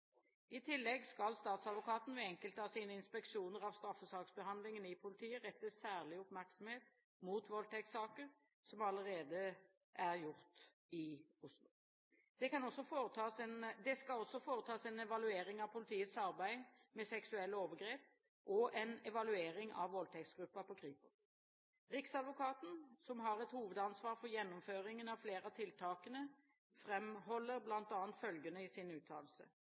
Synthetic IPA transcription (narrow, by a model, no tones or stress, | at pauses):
ɪt̪ʰɪlːɛɡskɑlst̪ɑːt̪sɑd̪ʋʊkʰɑːt̪n̩ʋɛɛŋkəlt̪əɑsiːnəɪnspɛkʃuːnəɾɑʋst̪ɾɑfːəsɑːksbəhɑnd̪lɪŋənɪpʰʊlɪt̪ʰiːəʁɛt̪ːəsæːʁlɪʊpmæɾksɔm̩heːt̪ | muːt̪ʋɔlt̪ʰɛksɑːkəɾ | sɔmɑləɾeːd̪ə | ʔæɾjʊɾt̪ | ɪʊslʊ | d̪̥ɛkɑnɔsːɔfoət̪ʰɑːsɛnd̪ɛskɑlɔsːɔfoːʁət̪ʰɑːsɛnɛʋɑlʉeːɾɪŋɑʋpʰʊlɪt̪ʰiːət̪sɑʁbæɪmɛsɛksʉɛlːəoːʋəɡɾeːp̚ | ʔɔʔɛnɛʋɑlʉeːɾɪŋʔɑ̰ʋʋɔlt̪ʰɛktsɡ̥ɾʉpːəpʰɔkʰʁiːpə | ʁɪksɑd̪ʋʊkʰɑːt̪n̩sɔmɦɑʁɛt̪huːʋəd̪ɑnsʋɑːʁfɔʁjɛnːɔmføːɾɪŋənɑʋfleːʁɑt̪ʰɪlt̪ʰɑːkənə | fʁɛmhɔlːəɾblɑnt̪ɑːnt̪fœlɡənəɪsɪnʉːt̪ʰɑ̰ːlsə̰